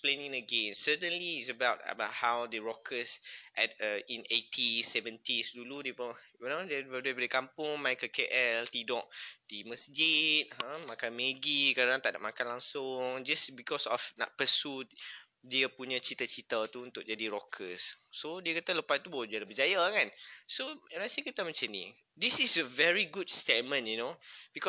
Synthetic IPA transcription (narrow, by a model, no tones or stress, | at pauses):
splenĩŋəɡẽnsət̪ə̃nliːtsəbawt̚ə̰baʔhawdəɹɔkʰəsʔɛtəĩnetʰisɛvə̃ntisduludepəjunoddebadəkampʊŋmajkəkeʔɛlt̪idɔʔdiməsd͡ʒit̪̚ãmãkanmeɡikadãŋt̪ada̰ʔ̚makanlaŋsʊŋd͡ʒasbikɔsɔfna̰ʔ̚pəsut | diəpuɲãt͡ʃit̪at͡ʃit̪at̪uunt̪ʊk̚d͡ʒadiɾɔkʰəsːodiəkat̪aləpat̪̚t̪ːubod͡ʒualəbəd͡ʒajakansoɛnasikit̪amãt͡ʃanḭ | disisəvɛɹiɡudstemə̃njunobikɔ